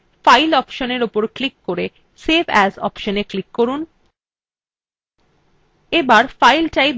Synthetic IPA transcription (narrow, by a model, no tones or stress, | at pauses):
fajlɔpʃoneɾopoɾklikːoɾe | sebʱɛzɔ̰pʃoneklikːoɾun | ebaɾfajlʈajd̪